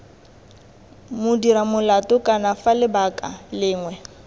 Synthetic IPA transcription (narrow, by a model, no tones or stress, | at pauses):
mʊdiɾamʊlatʊkʼanafalɪbakʼalɪːŋwɛ